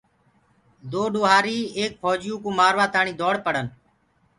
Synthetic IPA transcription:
d̪oːɗoːɦaːɾiːeːk̚fʰɔːd͡ʒjũːkũːmaːɾʋaːt̪aːɳĩːd̪oːɽpəɽən

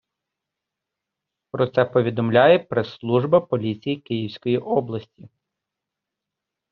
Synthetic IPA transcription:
pɾɔt̪sɛpɔʋʲid̪ɔmlʲajɛpɾeslˠuʒbɐpɔlʲit͡sʲijikɪjiwsʲkɔjiʔɔblˠɐsʲtʲi

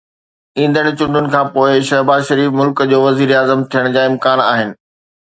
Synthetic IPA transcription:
ĩːnd̪əɽ̃̆t͡ɕʊ̃ɳɖʱʊnɪ̆kʰãːpoːɪʃɐɦbaːzʃɐɾiːfmʊlkd͡ʑoːʋɐziːɾaːzəmt̪ʰijəɽ̃d͡ʑaːɪ̃mkaːna̰ːɦɪnɪ̆

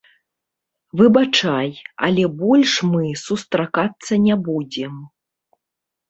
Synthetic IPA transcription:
vɨbat͡ʂajɐ̰lʲɛbɔlʲʂmɨsust̪ɾakat̪sːɐnʲɛbud͡zʲɛm

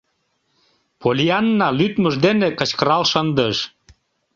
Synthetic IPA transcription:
polʲiɑnːɑlyt̪məʒd̪enekət͡ɕkəɾɑlʃənd̪əʃ

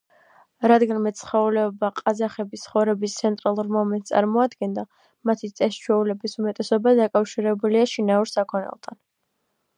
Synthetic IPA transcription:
ɾad̪ɡanmɛt̪sʰχɛulɛɔbaqʼazaχɛbist̪sχɔvɾɛbist̪sʰɛnt̪ʼɾalˠuɾmɔmɛnt̪̚ʼsʼa̰ɾmɔad̪ɡɛnd̪a | mat̪ʰit̪sʼɛst͡ʃʰwɛulɛbisumɛt̪ʼɛsɔbad̪akʼafʃiɾɛbuliaʃinauɾsakʰɔnɛ̰lˠt̪ʰan

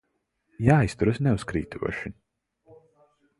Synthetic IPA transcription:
jaːist̪uɾasnɛuskɾḭːt̪ʰuɔʃi

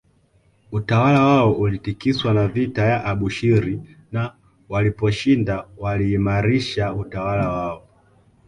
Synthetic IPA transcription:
utawalawaɔʔulitikiswanavitajaʔaɓuʃiɾi | na | walipɔʃindawaliːmaɾiʃautawalawaɔ

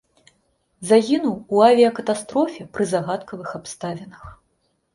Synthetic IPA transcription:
zaɣʲinuwuavʲijɐkɐt̪ast̪ɾɔfʲɛpɾɨzaɣat̪kɐvɨxapst̪avʲɛnɐx

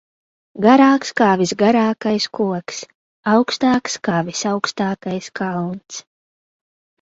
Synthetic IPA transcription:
ɡaɾaːkskaːvisɡaɾaːkajskuɔks | awkst̪aːkskaːvisawkst̪aːkajskalˠnt̪s

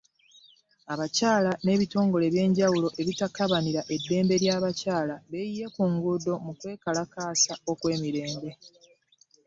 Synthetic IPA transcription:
aβacaːlane̞βito̞ːŋɡo̞le̞βje̞ːɲɟawulo̞ʔe̞βitakaβaniɾaʔe̞dːe̞ːmbe̞ɾjaːβacaːlaβe̞jije̞kuŋɡudo̞mukwe̞ːkalakaːsaokwe̞ːmiɾe̞ːnde̞

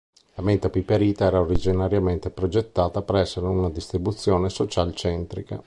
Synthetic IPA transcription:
lament̪apipːeɾiːt̪aɛːɾaoɾid͡ʒinaɾjament̪epɾod͡ʒet̪ːaːt̪apeɾɛsːeɾeunad̪ist̪ɾibut̪sːjɔːnesot͡ʃalt͡ʃɛnt̪ɾika̰

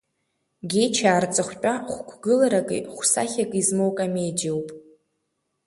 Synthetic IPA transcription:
ɡʲejt͡ʃʰaːrt͡sʼɨχʷt͡pʷʼaχʷkʷʰɡɨlaɾakʼɨ̰χʷsa̰χʲakʼizmowkʼame̞jdowpʼ

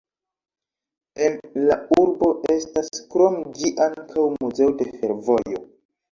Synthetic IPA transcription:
e̞nlauɾbo̞ʔe̞staskɾo̞md͡ʒiʔaŋkʰawmuze̞ode̞fe̞ɾvo̞jo̞

